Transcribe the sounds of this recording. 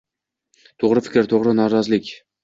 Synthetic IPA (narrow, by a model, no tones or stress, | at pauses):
t̪ʰoʁɾɪfɪ̥kʲɾɪt̪ʰoʁɾɪnaɾazlɪkʲ